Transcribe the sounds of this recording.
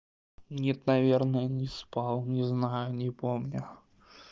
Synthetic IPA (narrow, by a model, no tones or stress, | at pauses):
mnʲɛt̪navʲɛrnəjənʲɪspawˠnʲɪznajʊnʲɪpɔmnʲʊ